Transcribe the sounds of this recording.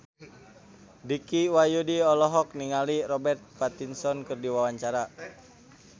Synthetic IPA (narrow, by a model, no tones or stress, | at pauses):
dikiwajudiɔlɔɦɔk̚niŋalirɔbɛrt̪̚pat̪insɔnkɨrdiwawaɲt͡ʃaɾa